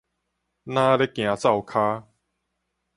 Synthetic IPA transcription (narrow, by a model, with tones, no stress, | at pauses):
nã˦le˦kj̃ã˨˧t͡sa˥˨wkʰaː˦